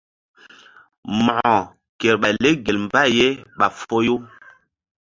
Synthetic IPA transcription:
mɔ˨ɔ˨ | ke˨ɾɓa˨le˦ɡe˨lm˦ba˦je˦ɓa˨fo˦jo˦

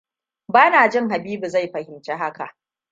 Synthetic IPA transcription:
baː˦naː˨d͡ʒɪ˦ŋɦa˨biː˦bu˨za˦jɸɐ˨hɪ˨mt͡ʃe˦ɦa˦ka̰˨ʔ

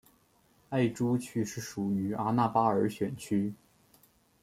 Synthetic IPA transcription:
a˥˩ɪʈ͡ʂu˥t͡ɕʰy˥˧ʂɻ̩˥˩ʂu˨˩y˧˥a˥na˥˩pa˥ə˞˧˥ɕɥɛ˨˩nt͡ɕʰy˥

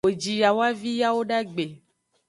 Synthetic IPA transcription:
o˨d͡ʒi˨ja˨wa˦vi˦ja˦wo˦ɖa˦ɡ͡be˨

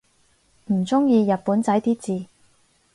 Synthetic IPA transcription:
m̩˨˩t͡sʊ˥ŋjiː˧jɐ˨t̚puː˨˥nt͡sɐ˨˥jt̪iː˥t͡siː˨˧

